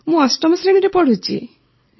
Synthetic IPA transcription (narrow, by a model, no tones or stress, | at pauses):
mũasʈɔmɔsɾeɽ̃iɾepɔɽ̤ut͡ʃʰḭ